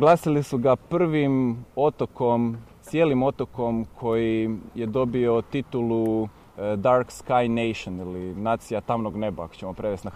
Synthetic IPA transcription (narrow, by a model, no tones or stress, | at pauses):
ɡlˠaːsilisuɡapr̩ʋimo̞t̪oko̞m | sje̞ːlimo̞t̪oko̞mkʰo̞jije̞d̪o̞bio̞t̪it̪ulu | d̪aɾkskajnejʃonilinaːt̪sijat̪amnoɡne̞ba̰a̰ko̥t͡ɕemo̞pɾe̞ʋest̪na